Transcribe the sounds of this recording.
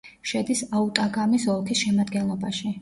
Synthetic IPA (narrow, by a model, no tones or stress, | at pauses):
ʃɛd̪isaut̪ʼaɡamisɔlˠkʰisʃɛmad̪ɡɛnlˠɔbaʃi